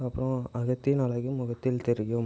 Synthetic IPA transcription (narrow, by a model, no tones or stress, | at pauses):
ɐpːɾõɐɣɐt̪ːinɐlɐɣɯmʊɣɐt̪ːɪlt̪ɛɾɪjʊ